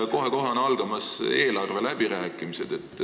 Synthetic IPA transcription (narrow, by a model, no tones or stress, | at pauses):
ko̞ɦeko̞ɦɑnɑlɡ̥ɑmɑse̞ːlɑrve̞læb̥iɾæːkːˑimise̞d̪̥e̞t̪ːˑ